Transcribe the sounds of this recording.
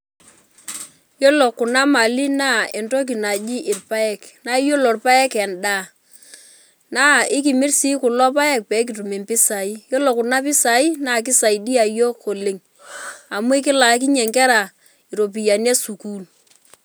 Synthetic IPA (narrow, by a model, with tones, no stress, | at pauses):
jo˦lo˨kʊ˨na˦ma˨li˦na˦e˨nto˦k̬i˨na˨d͡ʒi˦ʔɪ˨rpa˦ɛ˦˨kna˦jo˦lo˨rpa˦ɛ˦kɛ˨nda˦ | na˦ɪ˦k̬i˨mi˦rsi˦ku˨lɔ˦p̬a˦ɛ˦k̚pɛ˨˦k̬i˨tu˨me˨mpi˦sa˨i˦jo˦lo˨kʊ˨na˦p̬ɪ˦sa˨i˦na˦˨k̬ɪ˦sa˨i˨di˦a˨jo˦ko˨le˨ŋ | a˨mu˦i˦k̬ɪ˦la˨˦k̬i˦ɲe˨ŋkɛ˦ɾa˨ | i˨ɾo˨p̬i˨ja˨nje˦su˨ku˦l